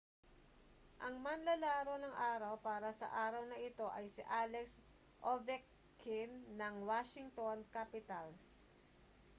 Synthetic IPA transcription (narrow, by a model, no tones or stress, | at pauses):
ʔɐŋmɐnlɐlaːɾo̞nɐŋʔaːɾɐwpaːɾɐsɐ̰ʔaːɾɐwnɐʔɪt̪o̞ʔɐjsɪʔaːlɛks | ʔovɛkː | ɪnːɐŋwaʃɪŋt̪onkaːpɪt̪ɐls